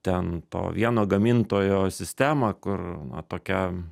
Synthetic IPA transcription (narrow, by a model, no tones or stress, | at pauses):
t̪ʲɛnt̪o̰ːʋʲiɛnoːɡɐmʲɪnt̪oːjoːsʲɪsʲt̪ʲæːmɐkʊrnɐ̰t̪oːkʲɛ